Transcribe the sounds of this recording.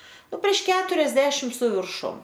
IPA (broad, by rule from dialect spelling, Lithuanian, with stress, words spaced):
ˈnʊ pʲrʲiɛʃ ˈkʲæːtʊrʲɛzʲdʲɛʃʲɪm sʊ ʋʲɪrˈʃʊm